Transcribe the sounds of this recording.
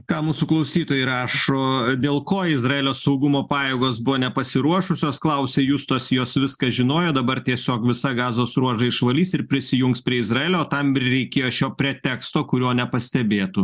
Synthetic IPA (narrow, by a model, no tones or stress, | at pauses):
kɑːmuːsʊklˠɐʊsʲiːt̪oːjɪɾɑːʃoːd̪ʲeːlˠkoːɪzrɐeːlʲoːsɐʊɡʊmoːpɑːjeːɡoːsbʊʋoːnʲɛpɐsʲɪɾuɔʃʊsʲoːsklˠɐʊsʲeːjuːst̪oɔsjoːsʋʲɪskɐʒʲɪnoːjoːd̪ɐbɐrt̪ʲiɛsʲoːkʋʲɪsɐɡɑːzoːsɾuɔʒɐɪʃʋɐlʲiːsɪɾpʲɾʲɪsʲɪjʊŋkspʲɾʲiɛɪzrɐeːlʲoːt̪ɐmɪɾɾʲɛɪkʲeːjoːʃʲoːpʲɾʲɛt̪ʲɛkst̪oːkʊɾʲuɔnʲɛpɐsʲt̪ʲɛbʲeːt̪u